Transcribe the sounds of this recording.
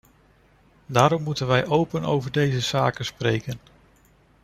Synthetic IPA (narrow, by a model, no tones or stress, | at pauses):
daːɾɔmːutənʋɛjʔowpəno̰wvəɹdejzəza̰ːkənsprejkən